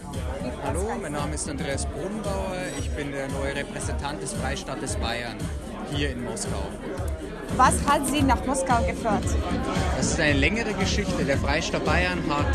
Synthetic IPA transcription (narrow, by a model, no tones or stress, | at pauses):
haloːmaɪnːaːməɪstandʁeːasb̥ʁʊːdn̩baʊɐɪçb̥ɪndeːɐnɔʏəʁɛpʁ̥ɛzɛntʰant̚d̥ɛsfʁ̥aɪʃtaːtəsb̥aɪɐn | hiːɐɪnmɔska̰ʊ | vashatziːnaχmɔskaʊɡəføːɐtd̥asɪstʔaɪnəlɛŋəʁəɡəʃɪçtədeːɐfʁ̥aɪʃtat̚b̥aɪɐnɦat